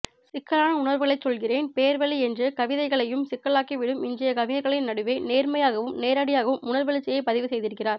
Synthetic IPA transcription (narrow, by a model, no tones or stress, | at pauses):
sɪkːɐlaːnɐʊɳɐɾʋɯɣɐɭɐɪt͡ʃsɔlɣɪreːnpeːɾʋɐliɛndrɯkɐʋɪðɐɪɣɐɭɐjɯmsɪkːɐɭaːkiʋɪɽɯmɪnd̪ɪjɐkɐʋɪðɐɪɣɐɭɪjnɐɽɯʋeɪneːɾmɐjaːɣɐʋɯmneːɾaːɽɪjaːɣɐʋɯmʊnɐɾʋɐɭɪt͡ʃːɛjɐɪpɐðɪʋɯsɛjðɪɾɯkːɪraːɾ